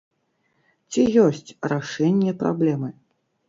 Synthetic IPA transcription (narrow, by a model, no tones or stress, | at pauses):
t͡sʲijɔsʲt͡sʲraʂɛnʲːɛpɾa̰blʲɛmɨ